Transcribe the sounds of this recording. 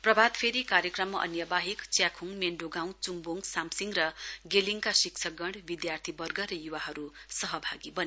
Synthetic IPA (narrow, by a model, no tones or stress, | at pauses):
prʌbʱad̪pʰeɾikaɾjʌkrʌmːʌʔʌ̰njʌbaɦikt͡sjakʰuŋmeɳɖoɡaw̃nt͡sumboŋɡsamsiŋɡrʌɡeliŋkasik̚t͡sʰʌɡʌɳɖbid̪jart̪ʰibʌrɡʌɾʌjuwaɦʌɾusʌɦʌbʱaɡibʌne